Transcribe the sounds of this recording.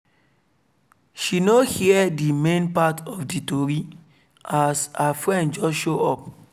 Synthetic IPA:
ʃinohiɛdimẽnpatʰɔfditoɹi | asafɹɛ̃ndd͡ʒɔsʃoɔp̚

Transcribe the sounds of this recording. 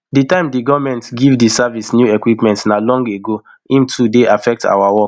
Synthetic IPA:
ditãɪ̃mdiɡɔvmɛ̃ntɡivdisavisnjuɛkwipmɛ̃ntsnalɔ̃ŋɡeɡo | ĩmtʰudeʔafɛk̚tʰa̰wawɔk

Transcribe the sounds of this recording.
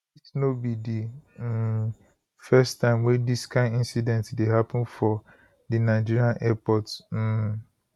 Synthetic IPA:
isnobidi | fɛstːãɪ̃mwɛ̃ndiskãɪ̃ndĩnsidɛ̃ntdeɦapə̃nfɔ | dinaɪd͡ʒiɹiãnʔɛpɔtsm̩

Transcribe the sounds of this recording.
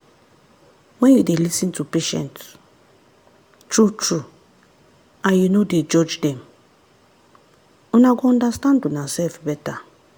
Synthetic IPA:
mɛ̃judelisĩntupeʃɛ̰̃nt | t͡ʃut͡ʃu | ajunoded͡ʒɔd͡ʒdɛ̃m | unaɡɔ̃ndastãntunasɛfbɛta

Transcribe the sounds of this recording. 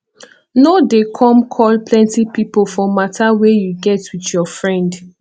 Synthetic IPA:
nodekʰɔ̃mkʰɔlplɛ̃ntipipolfɔmatʰawɛjuɡɛtwiθjɔfɹɛ̃nd

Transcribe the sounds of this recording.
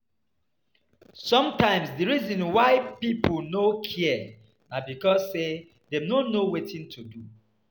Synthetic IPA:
sɔ̃mtãɪ̃msdiɹizĩnwaɪpiplnokʰiɛ | nabikɔzːe | denonowetĩntʰudu

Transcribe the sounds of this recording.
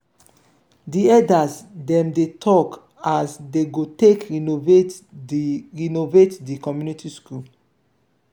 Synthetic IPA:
diɛdasdɛ̃mdetʰɔk | asdeɡotekinove | ɹinovetdikɔmjunitʰiskul

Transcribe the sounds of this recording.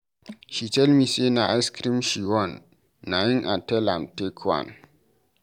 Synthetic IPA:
ʃitɛlmiːsenaʔaɪskɾĩmʃiwɔ̃nː | ajɪ̃ŋʔa̰tɛlãmtekʰwã̰n

